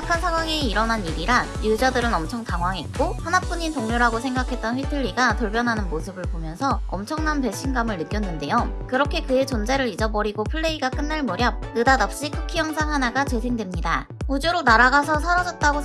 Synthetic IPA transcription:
kʰansʰaŋwaŋeiɾʌnaniɾiɾaŋjud͡ʑadɯɾɯnʌmt͡ɕʰʌŋtaŋwaŋɦet̚k͈ohanap͈uɲintoŋɲoɾɦaɡosʰe̞ŋɡakʰe̞t̚t͈ʌnɸwitʰɯɭːiɡatuɭpjʌnɦanɯnmosʰɯbɯɭpomjʌnsʰʌʌmt͡ɕʰʌŋnanpe̞ɕ͈inɡamɯɭnɯk͈jʌnːɯnde̞jokɯɾʌkʰe̞kɯe̞t͡ɕʌnd͡ʑeɾɯɾid͡ʑʌbʌɾiɡopʰɯɭːe̞iɡak͈ɯnːaɭmʌɾjʌp̚nɯdadap̚ɕ͈ikʰukʰijʌŋsʰaŋɦanaɡat͡ɕesʰeŋdwemɲida | ud͡ʑoɾonaɾaɡasʰʌsʰaɾʌd͡ʑʌt̚t͈aɡo

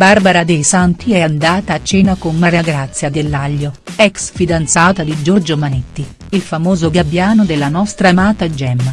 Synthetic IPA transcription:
barbaɾad̪ejsant̪iɛand̪aːt̪aːt͡ʃːɛːnakonmaɾeaɡɾat̪sːjad̪elːaʎːoɛksfid̪ant̪saːt̪ad̪id͡ʒɔrd͡ʒomanet̪ːi | ilfamoːzoɡabːjaːnod̪elːanɔst̪ɾamaːt̪ad͡ʒɛmːa

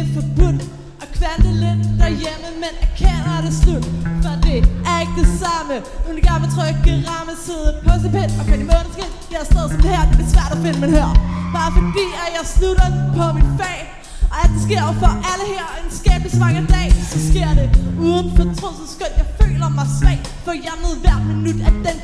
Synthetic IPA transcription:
ed̥fɒb̥ud̥ | ʔɒ̽kʰʋænd̥əlend̥æɐjeməmenæɐkʰenɐɑɾ̥eslud̥fɒ̽d̥e̝æɐe̝ɡ̥̚d̥e̝sɑ̈məodeɡ̥ɑmet͡sʰʁo̰jaɪɡ̥ʰæʁɑ̈məsið̞ˠən̩pʰɒ̽sepenɒ̽kʰæimoːnɐsɡ̥e̝ɐ | jɑɐsd̥ɛðˠsɒ̽md̥ehæɐ̰d̥eb̥liɐsʋæɐ̰ɾ̥ɒfe̝nəmenhæɐ̰b̥ɑ̈ːfɒd̥ḭːæjɑ̈ɪsluɾ̥ɐpʰɒ̽minfɛ̰ː | ɒ̽æd̥esɡ̥e̝ɐ̰jfɒʔæləhæɐ̰e̝nsɡ̥ɛːb̥əlismɑ̈ŋəd̥ɛ̰ːɪsɒsɡ̥e̝ɐ̰ɾ̥e̝uːð̞ˠən̩fɒt͡sʰʁɔssɡ̥ɔd̥jɑ̈ɪfø̰ːlɐmɑ̈ɪsʋɛ̰ɪd̥ | fɒjæɐnəð̩ˠʋæɐ̰d̥minud̥æd̥en̰

